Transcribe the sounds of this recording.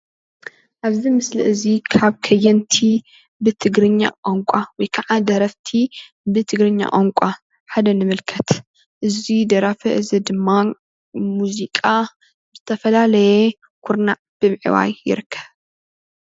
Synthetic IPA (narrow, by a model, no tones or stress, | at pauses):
ʔaβzimɨslḭʔɨzikʰaβkʰɐjɛnt̪ʰi | bɨt̪ʰɨɡɾɨɲːa̰ʔʼoŋkʷʼawɔjkʰaʕad̪ɐɾɐft̪ʰi | bɨt̪ʰɨɡɾɨɲːa̰ʔʼoŋkʷʼa | ħad̪ɐnɨmɨlkʰɐt̪ | ʔɨzid̪ɐɾafɐʔɨzid̪ɨmːa | muzikʼa | zɨt̪ʰɐfɐlalɐje | kʰuɾnaʕb̥ɨmʕḭwa̰jːɪ̰ɾɨkʰːɐβ